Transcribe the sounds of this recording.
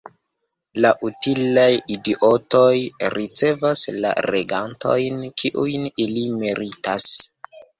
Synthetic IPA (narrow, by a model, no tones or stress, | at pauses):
laʔutilajidiʔo̞to̞jɾit͡se̞vasla̰ɾeɡanto̞̰jnkʰiʔujnilimeɾitas